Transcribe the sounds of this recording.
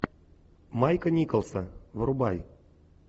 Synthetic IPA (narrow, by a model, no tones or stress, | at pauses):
majkənʲikəlˠsavɾubaj